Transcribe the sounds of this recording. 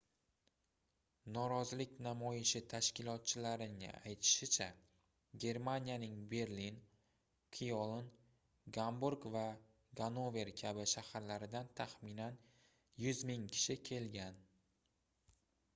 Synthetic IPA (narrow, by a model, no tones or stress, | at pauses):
nɒɾɒzɪlɪkʲnamɒjɪʃɪt̪ʰaʃkʲɪlɒt̪̚t͡ʃʰɪlaɾɪnɪ̰ajt̪ʰɪ̥ʃɪt͡ʃʰa | ɡʲe̞ɾmanʲijanɪŋbe̞ɾlin | kʰijolˠn | ɡambuɾɡva | ɡanove̞ɾkʲʰabɪʃahaɾlaɾɪd̪ant̪ʰaχminan | jʊzmɪŋkʲʰɪ̥ʃɪkʲʰe̞lɡʲan